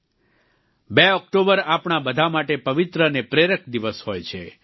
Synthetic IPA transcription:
beɔk̚ʈobəɾapɳabəd̪ʱamaʈepəʋit̪ɾənepɾeɾək̚ʰd̪iʋəshojt͡ʃʰe

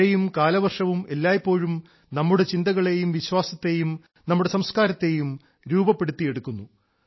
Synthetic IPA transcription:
ejumkaːlɐʋɐrʂɐʋume̞lːaːjpːo̞ːɻum | nɐmːuɽe̞t͡ɕind̪ɐɣɐɭe̞jumʋiɕwaːsɐt̪ːe̞jum | nɐmːuɽe̞sɐmskaːɾɐt̪ːe̞jum | ɾuːbɐpːe̞ɽut̪ːije̞ɽukːunːu

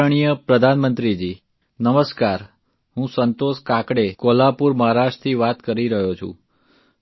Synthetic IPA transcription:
ɳ̃ijəpɾəd̪ʱanmənt̪ɾid͡ʒi | nəməskaɾ | ɦũsənt̪oʃkakɽekolapuɾməɦaɾaʃt̪ʰiʋat̪kəɾiɾəɦot͡ʃʰṵ̃

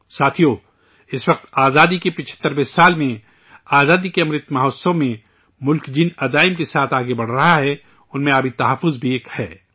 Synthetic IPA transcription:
saːt̪ʰijo | ɪsʋɐq̚t̪aːzaːd̪ikepɪt͡ʃʰə̥t̪ːəɾbɪsaːlmẽ | aːzaːd̪ikeɐmɾɪt̪mɐɦoːssõmẽ | mʊlkd͡ʒɪnɐd̪aːɪmkesaːt̪ʰaːɡebɐɽ̤ɾɐɦaɦɛ | ʊnmẽaːbʱit̪ɐɦəfːʊzbʱieːkhɛː

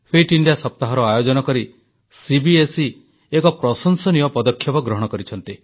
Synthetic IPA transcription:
pʰeʈiɳɖijasɔp̚t̪aɦɔɾɔajod͡ʒɔnɔkɔɾi | sibiesi | ekɔpɾɔsɔnsɔniɔpɔd̪ɔkʰːjɔpɔɡɾɔɦɔɽ̃ɔkɔɾit͡ʃʰɔnt̪i

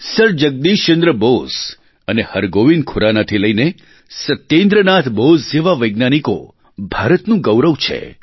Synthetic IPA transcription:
səɾd͡ʒəɡ̚d̪iʃt͡ʃə̃nd̪ɾəbos | ənehəɾɡoʋinkʰuɾanat̪ʰiləine | sət̪jẽnd̪ɾənat̪ʰbosd͡ʒeʋaʋəjɡnaniko̰ | bʱaɾət̪nũɡəwɾəʋt͡ʃʰḛ

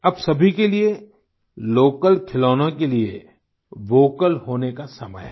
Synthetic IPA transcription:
ɐbsɐbʱikelie | loːkəlkʰɪloːnõkeliḛ | ʋoːkəlɦoːnekasɐmə̰j

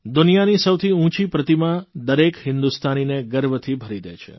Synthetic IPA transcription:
d̪unijanisəwt̪ʰiũt͡ʃipɾət̪imãd̪əɾekhɪnd̪ust̪ʰanineɡəɾbət̪ʰibʱəɾid̪ḛt͡ʃʰḛ

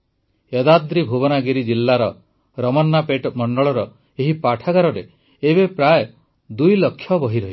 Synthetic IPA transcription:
ed̪ad̪ɾibʱubɔnaɡiɾid͡ʒilːaɾɔ | ɾɔmɔnːapeʈmɔɳɖɔɭɔɾɔ | eɦipaʈʰaɡaɾɔɾe | ebepɾaj | d̪ujlɔkʰːjɔbɔɦiɾɔɦi

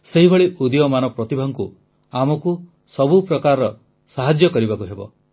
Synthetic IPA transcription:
seɦibʱeɭiʔud̪ijɔmanɔpɾɔt̪ibʱɔŋku | amɔku | sɔbupɾɔkaɾɔɔ | saɦad͡ʒjɔkɔɾibakuɦebɔ̰

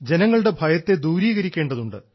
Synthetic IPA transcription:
d͡ʑe̞nɐŋːɐɭuɽe̞bʱɐjɐt̪ːe̞d̪uːɾiːɣɐɾikʲːe̞ːɳɖɐðuɳɖɨ

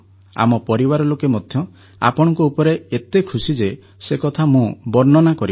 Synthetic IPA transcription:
a̰mɔpɔɾibaɾɔlokemɔd̪ʱjɔ | a̰pɔɽ̃ɔ̃ŋkɔupɔɾeet̪ekʰusid͡ʒe | sekɔt̪ʰamũbɔɾnɔnakɔɾi

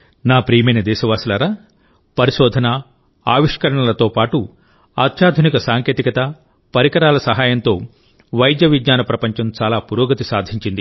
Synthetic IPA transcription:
naːpɾiːmeːnɐd̪ɛːʃɐʋaːsɐlɐɾɐ | pɐɾiʃɔːd̪ʱɐnɐ | aːʋiʂkɐɾɐɳɐlɐt̪o̞ːpaːʈu | aːt̪ʃaːd̪ʱunikɐsaːŋkeːt̪ikɐt̪ɐ | pɐɾikɐɾaːlɐsɐɦaːjɐnt̪o̞ː | ʋɐjd̪jɐʋid͡ʒɲaːnɐpɾɐpɐɲt͡ʃɐmt͡ʃaːlaːpuɾoːɡɐt̪isaːd̪ʱiɲt͡ʃind̪i

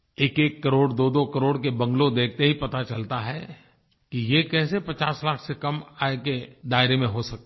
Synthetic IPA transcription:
eːkeːkːɐɾoːɽd̪oːd̪okɐɾoːɽkebɐ̃ŋɡlõd̪eːkʰt̪eɦipɐt̪at͡ʃɐlt̪aɦɛ | kijekɛːsepɐt͡ʃaːslaːkʰsekɐmaːeked̪aːɪɾemẽɦosɐk̚t̪ː

